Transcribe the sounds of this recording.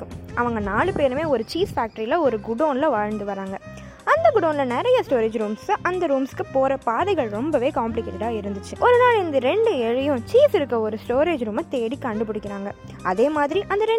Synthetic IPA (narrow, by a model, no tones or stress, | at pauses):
kːɯmʔɐʋɐŋɡɐnaːɭɯpeːɾɯmeːɔɾɯt͡ʃiːsfaːk̚ʈɐɾilɐɔɾɯɡʊɽoːnlɐʋaːɻɐnd̪ɯʋɐɾaːŋɡɐ | ɐnd̪ɐɡʊɽoːnɪlɐnɛɾɐjɐsʈoːɾeːd͡ʒɾuːmsʔɐnd̪ɐɾuːmskːɯpoːɾɐpaːðɐɪɣɐɭɾɔmbɐʋeːkaːmplɪkeːʈaːɪɾɯnd̪ɯt͡ʃːɯʔɔɾɯnaːɭɪnd̪ɐɾɛɳɖɯɛɻɪjʊ̃t͡ʃiːsɪɾɯkːɐɔɾɯsʈoːɾeːd͡ʒɾuːmɐt̪eːɽikɐɳɖɯp̬ʊɽɪkʲːɪɾaːŋɡɐ | ʔɐðeːmaːðɪɾiʔɐnd̪ɐɾɛ